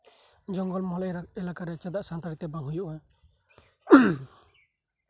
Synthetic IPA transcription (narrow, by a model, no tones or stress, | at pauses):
d͡ʒɔŋɡɔlmɔɦljɾaɛlakaɾɛt͡ʃad̪aʔsant̪aɾit̪ɛbãŋɦujɔʔɛ